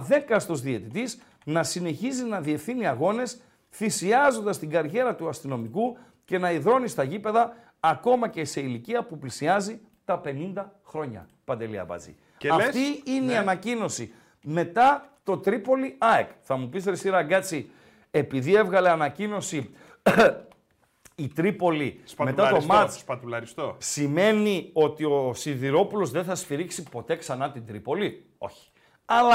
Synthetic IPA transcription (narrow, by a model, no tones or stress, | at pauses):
ðe̞kɐst̪o̞zðie̞t̪it̪is | nɐsine̞çizinɐðie̞fθiniɐɣo̞ne̞s | θisiɐzo̞nd̪ɐst̪iɡɐɾʝe̞ɾɐt̪uɐst̪ino̞miku | ce̞nɐiðɾo̞nist̪ɐʝipe̞ðɐː | ko̞mɐce̞se̞iliciɐpuplisiɐzi | t̪ɐpe̞nind̪ɐxɾo̞ɲɐ̰ | pɐnd̪e̞lḭɐ̰pɐ̰t͡sḭ | ɐft̪iineiɐnɐcino̞si | me̞t̪ɐt̪o̞t̪ɾipo̞liɐekθɐmupist̪ɾisiɾɐɡɐt͡si | e̞piðie̞vɣɐle̞ɐnɐcino̞si | it̪ɾipo̞liɐme̞ɐomɐspɐt̪ulɐɾist̪osime̞nio̞t̪io̞siðiɾo̞pulo̞zðe̞θɐsfiɾiksipo̞t̪e̞ksɐnɐt̪ind̪ɾipo̞li | o̞̰çi̥ | ɐlɐ